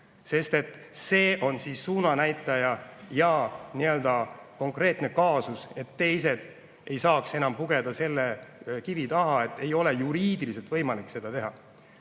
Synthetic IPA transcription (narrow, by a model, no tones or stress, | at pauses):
se̞st̪e̞t̪ːˑ | se̞ːʔo̞nsiːsːuːnɑnæjt̪ːˑɑjɑjɑniø̞ld̪̥ɑko̞ŋkre̞ːt̪ne̞kɑːsuse̞t̪ːe̞js̬e̞d̪̥ | ʔe̞jsɑːkse̞nɑmpuɡe̞d̪̥ɑse̞lːekivit̪ɑɦɑe̞t̪ːˑe̞jo̞le̞juɾiːd̪ilise̞lt̪vɤ̞jmɑlikse̞d̪̥ɑt̪e̞ɦɑ